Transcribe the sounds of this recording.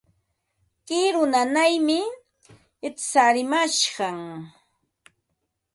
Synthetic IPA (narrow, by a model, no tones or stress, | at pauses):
kɪɾʊnanajmɪ | ɪtsaɾɪmaʃɢɑŋ